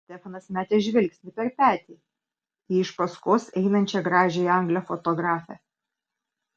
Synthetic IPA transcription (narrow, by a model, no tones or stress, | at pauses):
sʲt̪ʲɛfɐnɐsmʲæːt̪ʲɛʒʲʋʲɪlʲksʲt̪ʲɪpʲɛɾpʲæːt̪ʲeː | iɪʃpɐskoːsɛɪnɐnʲt͡ʃʲɛɡɾɑːʒʲɛɐŋɡlʲɛfɔt̪ɔɡɾɑːfʲɛ̰